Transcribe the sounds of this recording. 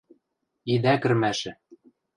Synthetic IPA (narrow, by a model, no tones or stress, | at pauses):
id̪ækɘ̆rmæʃɘ̆